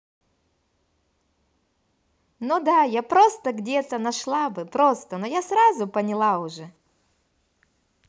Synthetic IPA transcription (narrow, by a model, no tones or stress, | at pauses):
nod̪ajapɾo̞st̪əɡdʲet̪ənɐʂlˠabɨpɾo̞st̪ənojasɾazʊpənʲɪlˠaʊʐɛ